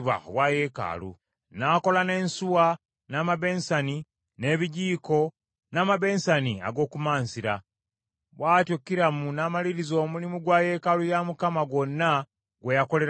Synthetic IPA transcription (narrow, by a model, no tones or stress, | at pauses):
βa̰oβwaje̞ːka̰lṵ | naːko̞lane̞ːnsuwa | naːmaβe̞ːnsani | ne̞βiɟiːko̞ | naːmaβe̞ːnsania̰ɡo̞ːkumaːnsiɾa | βwaːtokːiɾamunaːmaliɾizo̞ːmulimuɡwaːje̞kalujamukamaɡwo̞nːa | ɡwejako̞le̞ɾ